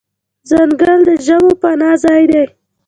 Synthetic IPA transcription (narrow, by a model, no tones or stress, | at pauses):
zaŋɡəld̪əʒəbopanɑzɑjd̪ej